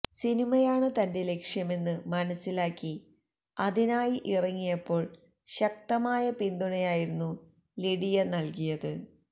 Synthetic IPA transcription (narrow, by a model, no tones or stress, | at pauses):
sinimɐjaːɳɨt̪ɐnde̞le̞kʂjɐme̞nːɨmɐnɐsːilaːkːi | ɐðinaːjiʔirɐŋːijɐpːo̞ːɭ | ɕɐk̚t̪ɐmaːjɐpind̪uɳɐjaːjiɾunːu | liɽijɐnɐlkijɐðɨ